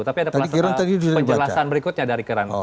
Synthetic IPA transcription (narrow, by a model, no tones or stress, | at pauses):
t̪apiadapt̪adskiɾaŋt̪adiduaəiɲd͡ʒəalasanbəɾikut̪̚ɲadaɾikəɾan